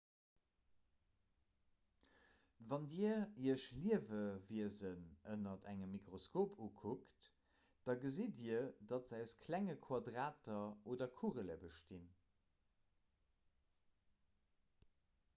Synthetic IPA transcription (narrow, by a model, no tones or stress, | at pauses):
vɑndiəiəʃliəvəviəzənənɐtʰæŋəmːikʁoskoːpʰukʰukt | d̥ɑɡəziːdiːədɑtzæʊskʰlæŋəkʰwɑdʁaːtɐoːdɐkʰuʁələ̰bəʃtin